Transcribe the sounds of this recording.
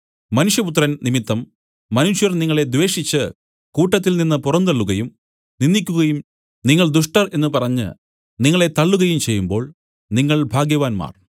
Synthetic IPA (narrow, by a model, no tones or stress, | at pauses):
mɐnuʂjɐput̪rɐnnimit̪ːɐmː | ɐnuʂjɐrniŋːɐɭe̞d̪ʋe̞ːʂit͡ɕːɨ | kuːʈːɐt̪ːilninːɨpurɐnd̪ɐɭːuɣɐjum | ninːikʲːuɣɐjum | niŋːɐɭd̪uʂʈɐre̞nːɨpɐrɐɲːɨ̰ | niŋːɐɭe̞t̪ɐɭːuɣɐjumt͡ɕe̞jːumbo̞ːɭ | niŋːɐɭbʱaːɡjɐʋaːnma̰ːr